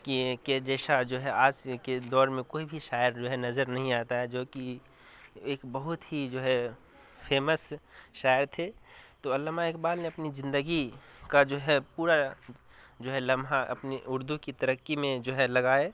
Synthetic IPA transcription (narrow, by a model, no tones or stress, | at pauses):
kiked͡ʒɛːʃad͡ʒoːɦɛaːd͡ʒked̪ɔːɾmẽkoːibʱiʃaːjəɾd͡ʒoːɦɛnɐzəɾnɐɦĩaːt̪aɦɛd͡ʒoːki | eːkbəɦʊt̪ɦid͡ʒoːɦɛ | pʰeːməsʃaːjəɾt̪ʰet̪oɐlːamaekbaːlneɐpnizɪ̃nd̪əɡikad͡ʒoːɦɛpuːɾa | d͡ʒoːɦɛləmɦaʔɐ̰pniʔʊɾd̪ukit̪əɾəkːimẽd͡ʒoːɦɛlɐɡaːe